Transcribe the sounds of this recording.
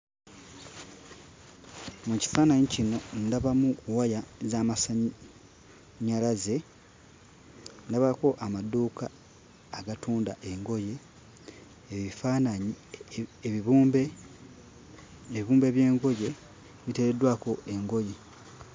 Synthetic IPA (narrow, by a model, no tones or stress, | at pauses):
muci̥faːnaɲicino̞ndaβamuwajazaːmasa | ɲalaze | ndaβako̞ʔamaduːkaː | ɡatuːndaʔe̞ŋɡo̞je̞ | ifanaɲi | βuːmbe | iβuːmbe̞βje̞ːŋɡo̞je̞ | βite̞ɾedwaːko̞ʔe̞ŋɡo̞je̞